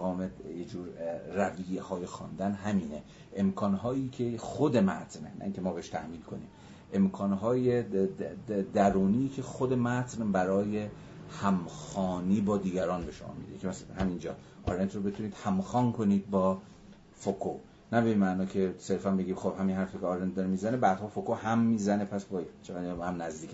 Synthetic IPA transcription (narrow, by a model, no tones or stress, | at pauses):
ɣɒːmejed͡ʒuːɾræviːjehɒːjexɒ̰ːnd̪ænɦæmiːne | ʔemkʰɒːnɦɒːjiːcʰexod̪e̞mæ̰t̪ʰnenæ̰ʔiːŋkʲʰemɒːbeheʃt̪ʰæ̰hmiːnkʰo̞nḭːm | ʔe̞mkʰɒːnɦɒːje | d̪æɾuːniːcʰe̞xod̪e̞mæt̪ʰnbæɾɒːje̞ | hæmxɒːniːbɒːd̪iːɡʲæɾɒːnbeʃomɒ̰ːmḭd̪ḛcʰemæshæmind͡ʒɒ̰ː | ʔɒːɾent̪ʰrobe̞t̪ʰuːniːd̪̥hæmxɒːnkʰo̞niːd̪̚bɒː | fokʰo | næbeinmæʔnɒːcʰe̞se̞ɾfænbe̞ɡiːmxob̥hæminhæɾficʰeɒːɾent̪d̪ɒɾemiːzænebæːd̪̥hɒːfokohæmːiːzæne̞pʰæsbɒːt͡ʃʰeæd̪nhæmnæzd̪iːkʰ